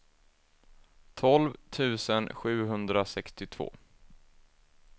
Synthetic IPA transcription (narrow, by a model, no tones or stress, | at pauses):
t̪ʰɔlvt̪ʰʉ̟ːsənɧʉ̟ːɦɵnd̪ɾasɛkst̪ɪt̪ʰv̥o̰ː